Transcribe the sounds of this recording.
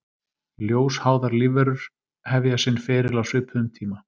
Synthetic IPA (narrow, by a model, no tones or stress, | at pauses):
ljoːwshaːwðaɾliːvɛɾʏɾ̥ | hɛvjasɪnːfɪːɾɪlawsʏːpʰʏðʏmt̪ʰiːma